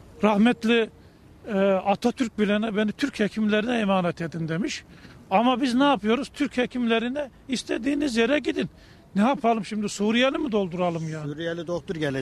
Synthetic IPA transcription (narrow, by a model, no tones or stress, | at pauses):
ɾahmɛt̪lʲi | ɛat̪ʰat̪ʰyɾc̚bilʲɛnɛbenit̪ʰyɾchɛcʰimlʲeɾinɛɛmaːnɛt̪ʰed̪ind̪emiʃ | amabiznɛːpʰɯjo̞ɾuz̥t̪ʰyɾchecʰimleɾinɛist̪ʰed̪iːnizjeɾɛɟid̪inː | ɛapʰalˠɯmʃimd̪isuːɾijɛlʲimid̪o̞lˠd̪uɾalˠɯmjaːnːɾijɛlʲid̪oxt̪uɾɟɛl